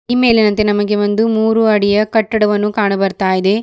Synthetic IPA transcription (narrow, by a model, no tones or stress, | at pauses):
ime̞ːlenɐnt̪enɐmɐɡe̞ʋond̪umuːɾuɐɽijɐkɐʈːɐɽɐʋɐnːukaːɳɐbɐɾt̪aːjid̪e̞